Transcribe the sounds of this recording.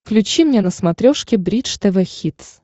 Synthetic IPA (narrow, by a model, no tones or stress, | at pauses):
fklʲʉt͡ɕimnʲenəsmɐt̪ɾʲoʂkʲɪbɾʲit͡ʂt̪ɛvʲɛxʲit̪s